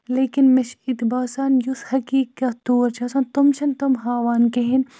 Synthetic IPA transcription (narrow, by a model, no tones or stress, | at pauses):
leːkinmeʃʰɪt̪baːsaːnjushɐkiːkːɐt̪ːuːɾt͡ʃʰɐsaːnt̪umt͡ʃʰɐnt̪umɦaːʋaːnkeɦin